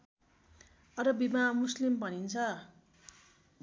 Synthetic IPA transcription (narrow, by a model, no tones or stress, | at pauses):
ʌɾʌbimamuslimbʱʌnint͡sʰʌ